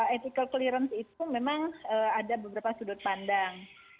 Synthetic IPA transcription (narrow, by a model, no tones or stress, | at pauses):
et̪ikəlkəliɾənsit̪umemaŋəadabəbəɾapasudʊt̪̚pandaŋ